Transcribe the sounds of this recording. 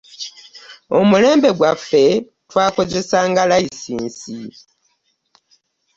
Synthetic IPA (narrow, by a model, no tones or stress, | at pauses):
o̞̰mule̞ːmbe̞ɡwafːe̞ | twaːko̞ze̞saːŋɡalaisiːnsi